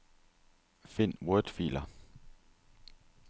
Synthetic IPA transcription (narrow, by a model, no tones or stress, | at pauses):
fen̰wɔd̥fḭːlɐ